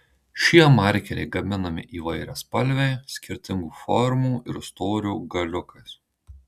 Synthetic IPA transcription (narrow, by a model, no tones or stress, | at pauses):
ʃʲiɛmɑˑɾʲkʲɛɾʲɛ̰ɪɡɐmʲɪnɐmʲɪ̰ʔiːʋɐɪɾʲɛ̰ːspɐlʲʋʲɛɪsʲkʲɪɾʲt̪ʲɪŋɡuːfɔɾmuːʔɪ̰ɾst̪oːɾʲuːɡɐlʲʊkɐs